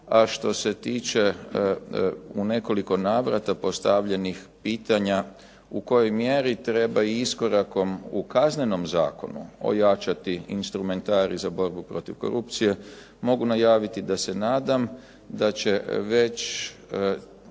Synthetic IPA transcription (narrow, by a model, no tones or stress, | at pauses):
aʃt̪o̞se̞t̪iːt͡ʃe̞ | une̞ko̞liko̞naːʋɾat̪apo̞st̪aʋʎe̞nixpiːt̪aɲa | uko̞jo̞jmjeɾit̪ɾe̞baiisko̞ɾako̞mukazne̞no̞mza̰ːkonṵo̞̰jat͡ʃat̪iinst̪ɾume̞nt̪aːɾizabo̞ɾbupɾo̞t̪iʋko̞̰ɾup̚t̪sije̞ | mo̞ɡunajaːʋit̪id̪ase̞naːd̪am | d̪at͡ɕe̞ʋe̞t͡ɕ